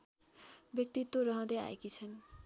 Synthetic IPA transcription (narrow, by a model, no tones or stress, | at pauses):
bjʌk̚t̪it̪ːwoɾʌɦʌ̃d̪ea̰jkit͡sʰʌn